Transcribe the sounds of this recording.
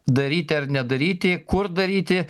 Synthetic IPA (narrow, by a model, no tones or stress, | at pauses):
d̪ɐɾʲiːt̪ʲɪɐɾnʲɛd̪ɐɾʲiːt̪ʲɪkʊɾd̪ɐɾʲiːt̪ʲɪ